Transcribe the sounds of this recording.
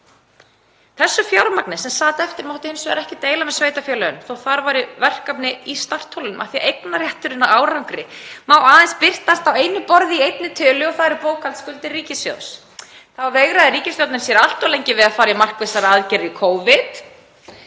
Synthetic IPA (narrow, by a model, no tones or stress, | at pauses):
θɛsːʏfjawɾmaknɪ̥sɛmsaːt̪ɛft̪ɪɾmawht̪ɪhɪnsvɛɾɛhcɪt̪eːjlamɛðsveːjt̪afjœːlœʏnθowθaɾvaɾɪvɛr̥kapnɪist̪ar̥t̪ʰowlʏnʏmʔa̰θiaejknarjaht̪ʏɾɪnaaːwɾawŋkɾɪmaːwaːðɛnspɪr̥t̪ast̪awejnʏpɔɾðɪiejt̪nɪt̪ʰœːlʏɔθaðɾpoːwkʰant̪skʏlt̪ɪrriːcɪsfjo̰ws | θaveɣɾaðɪɾiːcɪsfjoawt̪nɪnsjɛɾal̥t̪ɔlejɲcɪvɪðaðfaːɾjɪmar̥kvesaɾaðcɛɾɪikʰoːwvɪt̪